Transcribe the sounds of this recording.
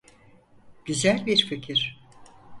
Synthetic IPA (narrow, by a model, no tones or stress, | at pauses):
ɟ̥yzælʲbiɾficʰiɾ̥